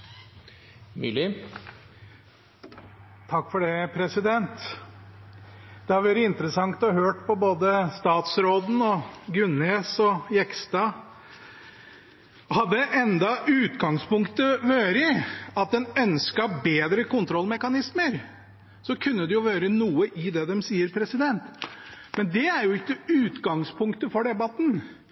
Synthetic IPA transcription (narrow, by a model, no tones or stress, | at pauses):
mʏ̰lɪ | t̪ʰɑkːfɔɖɛpʰɾɛsɪd̪ɛnt̪ | d̪ɛhɑɾʋæːɾəɪnt̪ɾəsɑŋt̪ɔɦøːʈpʰɔboːd̪əst̪ɑːt̪sɾoːd̪n̩ɔɡʉneːsɔjɛkst̪ɑ | hɑd̪ːəʔɛnd̪ɑʉːt̪ɡɑŋspʊŋkt̪əʋøːɾəɑt̪̚d̪ɛnœnskɑbeːd̪ɾəkʊnt̪ʰɾɔlmɛkɑnɪsməɾ | sɔkʰʉnːəd̪ɛjʊʋøːɾənuːəʔɪd̪ɛd̪ɛmsiːəɾpʰɾɛsɪd̪ɛnt̪ | mɛnd̪ɛæɾjʊɪkːəʉːt̪ɡɑŋspʰʊŋkt̪əfɔɖɛbɑt̪n̩